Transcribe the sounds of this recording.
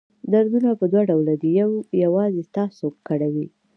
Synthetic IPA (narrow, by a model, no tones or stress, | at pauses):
d̪aɾd̪unapəd̪waɖawlad̪əjawjawɑzest̪ɑsokːəɽawi